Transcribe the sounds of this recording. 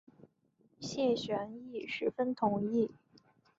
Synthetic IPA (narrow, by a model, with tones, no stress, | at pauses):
ɕjɛ˥˩ɕɥɛ˧˥ni˥˩ʂɻ̩˧˥fə˥nt̪ʰʊ˧˥ŋi˥˩